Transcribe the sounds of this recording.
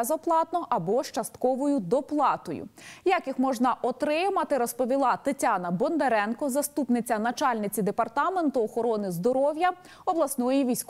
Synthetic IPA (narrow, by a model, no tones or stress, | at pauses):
zɐplˠɑt̪nɔʔɐbɔʃt͡ʃɐst̪kɔʋɔjʊd̪ɔplˠɑt̪ɔjʊ̰jakixmɔʒnɐʔɔt̪ɾɪmɐt̪ɪɾɔspɔʋʲilˠɑt̪ɐtʲanɐbɔnd̪eɾɛnkɔzɐst̪upnɪt͡sʲɐnɐt͡ʃɑlʲnɪt͡sʲid̪epɐrt̪ɑme̞nt̪ʊɔxɔɾɔnɪzd̪ɔɾɔwjɐ | ɔblˠɐsnɔjiʋʲijsʲk